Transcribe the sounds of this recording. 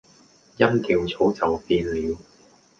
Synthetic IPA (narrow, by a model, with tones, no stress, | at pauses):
jɐ˥mkiː˧wt͡sʰo˨˥wt͡sɐ˨wpiː˧nliː˨˧w